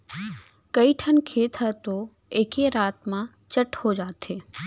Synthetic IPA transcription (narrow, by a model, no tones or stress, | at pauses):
kəiʈʰənkʰeːt̪ʰət̪o | eːkeɾaːt̪mã | t͡ʃəʈhod͡ʒaːt̪eː